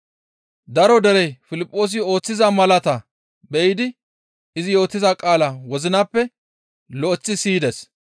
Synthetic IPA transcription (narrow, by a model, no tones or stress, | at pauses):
d̪ɐɾɔd̪ɛɾɛfɪlɪpʼːo̞ːs̬ɪo̞ːt͡sːɪzɐmɐlɐt̪ɐ | bɛjɪd̪ɪ | ɪzɪjo̞ːt̪ːɪzɐkʼaːlɐwɔzɪnɐpːɛ | lɔʔɛt͡sːɪsiːd̪ɛs